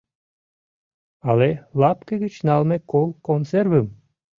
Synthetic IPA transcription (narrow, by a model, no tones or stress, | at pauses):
ɑlelɑpkəɣət͡ɕnɑlmekolˠkonservəm